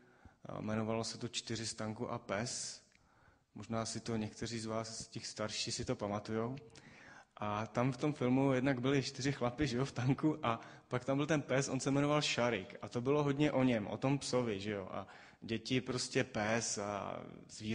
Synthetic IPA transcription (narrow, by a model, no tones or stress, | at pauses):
mɛno̞valosɛt̪ot͡ʃt̪ɪɾ̝ɪst̪aŋkuʔa̰pɛs | moʒnaːsɪt̪o̞ɲɛkt̪ɛɾ̝iːzvaːscɛxst̪aɾʃiːsɪt̪opamat̪ujow | ʔat̪amft̪o̞mfɪlmujɛdnaɡbɪlɪt͡ʃt̪ɪɾɪxlapɪʒɛjoft̪aŋkuʔa | pakt̪ambɪlt̪ɛnpɛsʔo̞nsɛmɛno̞valʃaɾɪkat̪o̞bɪlo̞ɦo̞dɲɛʔo̞ɲɛmʔo̞̰t̪o̞mpso̞vɪʒɛjo̰ʔa̰ | ɟɛcɪpɾo̞scɛpɛsa̰zviː